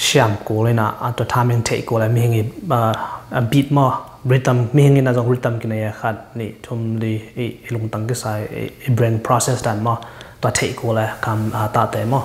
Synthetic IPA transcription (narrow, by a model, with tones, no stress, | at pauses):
ʃia˧˨mko˨li˧na̰˨a˨t̪a˧tʰa˧mi˧ŋtʰe˧˨ʔko˨˧lɛ˧mi˦hi˧ŋi˧˨ | bi˧t̚mɔ˦˧ | ɹi˦tə˧mmi˦hi˧ŋi˧na˨zɔ˧ŋɾi˧˦t̪ə˧mki˧na˨ja˧kʰa˧t̚nḭ˧˨t̪ʰu˧mli˧i˧ilu˨ŋt̪a˨ŋk̬i˦sa˧jḭibɾɛ˧ŋpʰɾɔ˦sɛ˧sda˨t̚mɔ˧t̪ua˧tʰe˧˨ʔko˧lɛ˧kʰa˧ma˧t̪a˧˨t̪ɛ˨mɔ˦